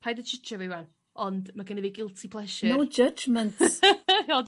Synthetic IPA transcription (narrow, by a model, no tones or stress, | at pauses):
pʰajdət͡ʃʰɪt͡ʃʰəvɪwan | ɔndmaɡəniviɡɪlˠtʰipʰlˠɛʃɪnowd͡ʒəd͡ʒmə̃nt | od